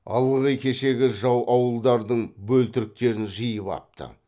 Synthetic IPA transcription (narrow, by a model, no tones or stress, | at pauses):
ɑ̰lˠəʁəjkʲʰe̞ʃe̞ɡʲɪʒɑwʔɑwəlˠd̪ɑɾd̪əɴbɵlt̪ɪɾɪk̚t̪e̞ɾɪnʒəjəpɑ̰p̚t̪ə̰